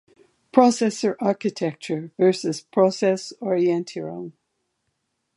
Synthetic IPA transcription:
pʰɹ̥ɔsɛsə˞ʔaɹkɨtʰɛk̚t͡ʃə˞vɜ˞sɨz̥pʰɹ̥ɔsɛsɔɹiɛ̃ntʰiɹõ̰m

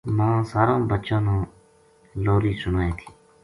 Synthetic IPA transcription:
mãːsaːɾãːbətt͡ʃãːnãː | loːɾiːsʊnaːẽːt̪ʰi̥ː

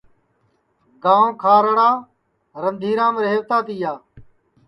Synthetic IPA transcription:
ɡãːõːkʰaːɾəɽaː | ɾənd̪ʱiːɾãːmɾeːʋt̪aːt̪iːjaː

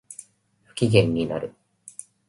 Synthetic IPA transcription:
ɸɯ̟̥kʲiɡẽ̞ɲ̟ːina̰ɾɯ̟

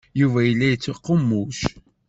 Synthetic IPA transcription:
juvæjəlːæjət͡sːoqːəmːuʃ

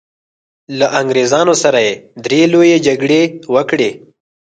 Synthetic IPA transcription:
laʔaŋɡɾezɑnosaɾajed̪ɾelojed͡ʒaɡɽewəkɽe

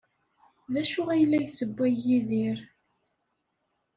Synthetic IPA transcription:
ðæʃʊʁæjlːæjsəbːæjːiðiɾ

